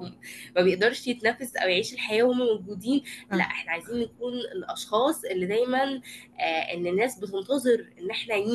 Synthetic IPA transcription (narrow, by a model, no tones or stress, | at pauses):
mæbejeʔd̪ɑɾˤʃjet̪næfːæsʔæ̰wjeʕiːʃelħajæːhomːæmowɡuːd̪iːnlæ̰ʔeħnæʕajziːnjækuːnelʔɑʃxɑːsˤʔelːid̪æjmænː | ʔḛnːenːæːsbet̪̬ent̪ɑzˤeɾʔenːʔeħnæ